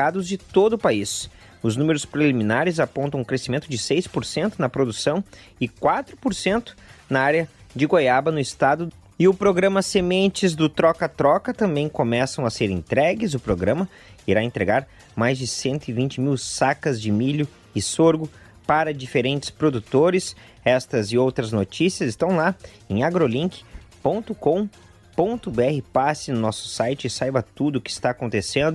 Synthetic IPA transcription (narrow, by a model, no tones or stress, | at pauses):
ad̪ʊzd͡ʒɪt̪od̪ʊpais | ʊznũmeɾʊspɾelimĩnaɾɪzapõnt̪ɐ̃w̃ʊkɾesimẽnt̪ʊd͡ʒɪsejspoɾsẽnt̪ʊnɐpɾod̪usɐ̃w̃ɪkwat̪ɾʊpoɾsẽnt̪ʊ̥nɐaɾjɐd͡ʒɪɡojabɐnʊɪst̪ad̪ʊ | ɪʊpɾoɡɾɐ̃mɐsemẽnt͡ʃɪzd̪ʊt̪ɾɔkɐt̪ɾɔkɐt̪ɐ̃mbẽj̃komɛsɐ̃w̃ɐseɾḛ̃nt̪ɾɛɡɪzʊpɾoɡɾɐ̃mɐ | iɾaẽnt̪ɾeɡaɾ | majzd͡ʒɪsẽnt̪ʊɪvĩnt͡ʃɪmiwsakɐzd͡ʒɪmiʎʊ | ɪsoɾɡʊ | paɾɐd͡ʒifeɾẽnt͡ʃɪ̥spɾod̪ut̪oɾɪs | ɛst̪ɐzɪowt̪ɾɐznot͡ʃisiɐzɪst̪ɐ̃w̃la | ẽj̃aɡɾolĩŋkɪ̥põnt̪ʊkõ | põnt̪ʊbeɛhɪpasɪnʊnɔsʊ̥sajt͡ʃɪːsajbɐt̪ud̪ʊkɪɪst̪aːkõnt̪esẽnd̪ʊ